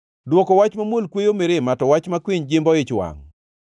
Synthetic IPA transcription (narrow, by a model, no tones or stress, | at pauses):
dwɔkɔwat͡ʃmamolkwejomeɾematɔwat͡ʃmakwɪɲd͡ʒɪmbɔɪt͡ʃwa̰ŋ